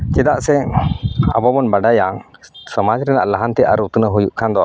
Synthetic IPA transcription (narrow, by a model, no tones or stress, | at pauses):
kɛd̪aʔsɛ | a̰bɔbɔnbaɖajaŋsɔmad͡ʒɾɛnaʔlaɦant̪ɛʔa̰ɾut̪ənəɦujuʔkʰand̪ɔ